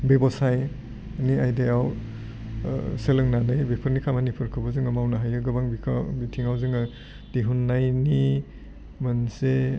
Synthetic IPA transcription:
bebɔsaj | niajdejaw | selɯŋnanɯjbepʰɯɾnikʰamanipʰɯɾkʰɯbɯzɯŋɐmawnaɦajɯɡɯbaŋbikʰa̰bitʰiŋawzɯŋɯ | d̥iɦunːajni | mɯnse

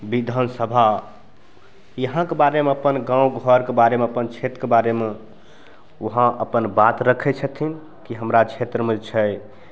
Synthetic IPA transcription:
bid̪ʱənsəbʱa | jəɦãkebaɾemeəpənɡãũɡʱɔɾkebaɾemeəpənt͡ʃʰet̪ɾkebaɾeme | əɦãʔəpənbat̪ɾəkʰɛt͡ʃʰət̪ʰin | kiɦəmɾat͡ʃʰet̪ɾəmẽt͡ʃʰə

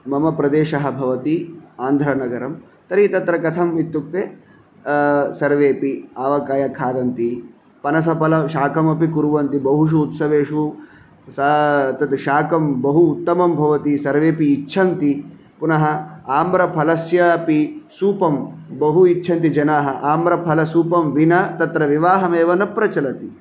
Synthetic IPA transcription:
mɐmɐpɾɐd̪eːʃɐɦɐ̆bʱɐʋɐt̪iaːnd̪ʱɐɾɐnɐɡɐɾɐm | t̪ɐɾit̪ɐt̪ɾɐkɐt̪ʰɐmit̪ːjuk̚t̪eː | sɐɾʋeːpiaːʋɐkaːjɐkʰaːd̪ɐnt̪i | pɐnɐsɐpɐlɐʃaːkɐmɐpikuɾʋɐnt̪ibɐɦuʃ̬uːt̪sɐʋeːʂu | sɐt̪ɐt̪ʃaːkɐmbɐɦuːt̪ːɐmɐmbʱɐʋɐt̪isɐɾʋeːpiːtːʃʰɐnt̪i | punɐɦɐaːmɾɐpʰɐlɐsjɐːpisuːpɐmbɐɦuitːʃʰɐnt̪id͡ʒɐnaːɦɐʔaːmɾɐpʰɐlɐsuːpɐmʋinɐt̪ɐt̪ɾɐʋiʋaːɦɐmeːʋɐnɐpɾɐt͡ʃɐlɐt̪i

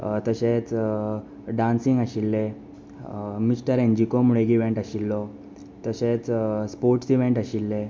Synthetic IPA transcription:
t̪əɕet͡s | ɖãnsiŋɡəɕilːe | misʈəɾẽɲd͡ʑikɔmuɭeɡiʋẽɳʈəɕilːɔ | t̪əɕet͡sspoɾʈsiʋẽɳʈəɕilːe

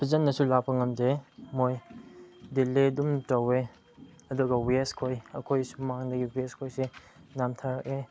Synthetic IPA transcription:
pʰizɐnːɐsulapːɐŋɐmdemoj | dilːedumtɐwe | ɐduɡɐwieskʰojɐkʰojsu̥maŋdɐɡiwieskʰojsenamtʰaɾɐk̚e

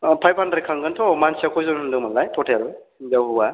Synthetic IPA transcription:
pʰajpʰandɾejkʰaŋɡɯntʰɔmansiakʰɔjzɔnndɯmaŋlajtʰɔtʰel | bawɦuwa

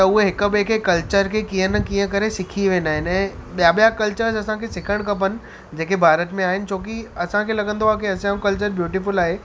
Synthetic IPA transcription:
t̪ɐʊɦeɦɪkəbekʰekɐlt͡ɕəɾkʰeːkĩːə̃n̆kĩːə̃kɐɾesɪkʰiʋẽːn̆aːɦɪn̆ɛ̃ːɓijaɓijakɐlt͡ɕəɾzɐsãkʰeːsɪkʰəɽ̃kɐpənɪ̆ | d͡ʑeːkebʱaːɾət̪mẽaːɦɪnɪ̆t͡ɕʰoːk̬iɐsãkʰeːlɐɠə̃nd̪oaːkiɐsĩãkɐlt͡ɕəɾbjuːʈifʊlaːɦe

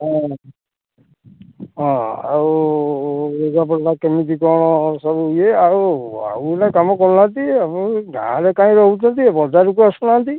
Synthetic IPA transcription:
ɦɔ̃ | ɦɔ̃a̰u | ɡapɔɾt̪akemid̪ikɔɽ̃ɔsɔbuieaua̰wlakamɔkɔɾnãnt̪iabɔɡã̰ːɾekãĩɾɔɦut͡ʃʰɔnt̪iebɔd͡ʒaɾuk̬uasunaːnt̪i

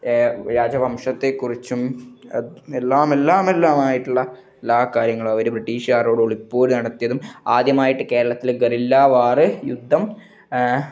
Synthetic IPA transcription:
ɾaːd͡ʑɐbʱɐmʂɐt̪ːe̞kːurit͡ɕːum | elːaːmelːaːme̞lːaːmaːjiʈːuɭːɐ | lːaːkːaːɾjɐŋːɐɭuɐʋɐɾubriʈːiːʂjaːro̞ːɽoɭipːoːɾnɐɽɐt̪ːijɐðumaːd̪jɐmaːjiʈːɨke̞ːɾɐɭɐt̪ːilɡɐrilːaːʋaːrɨjud̪ʱːɐm

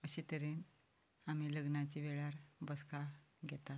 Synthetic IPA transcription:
əɕit̪əɾen | am̤iləɡnat͡ɕiʋeɭaɾbəskaɡʱɛt̪a

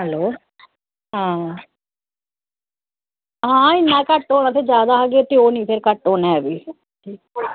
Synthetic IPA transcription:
ɦɛloː | ɦãː | ɦãːɪnːãːkəʈoːñãːt̪ʰeːd͡ʒjaːd̪aːɦaɡeːt̪eoːnĩːpʰɪɾkəʈoːnɛ̃ːʋiː | ʈʰiːk̚ː

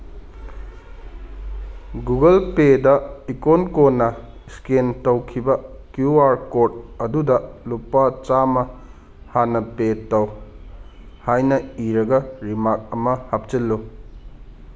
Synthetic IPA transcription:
ɡuɡɐlpedɐikonkonːɐ | skentɐwkʰibɐkjuaɾkoɾt̚ɐdudɐlupːɐt͡ʃamɐ | hanɐpetɐw | hajnɐiɾɐɡɐɾimak̚ɐmɐhap̚t͡ʃɐlːu

